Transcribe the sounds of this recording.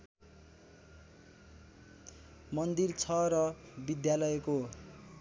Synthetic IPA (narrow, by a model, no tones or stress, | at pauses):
mʌnd̪irt͡sʰʌɾʌbid̪jalʌjeko